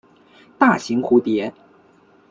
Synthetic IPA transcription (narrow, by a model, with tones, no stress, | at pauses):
t̪a˥˩ɕi˧˥ŋxu˧˥t̪jɛ˧˥